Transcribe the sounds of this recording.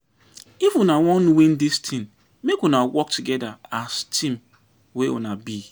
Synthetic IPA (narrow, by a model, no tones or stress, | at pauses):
ifwunawɔ̃nwĩndistʰĩn | mekwunawɔk̚tʰuɡɛdaastʰĩm | wewṵnabi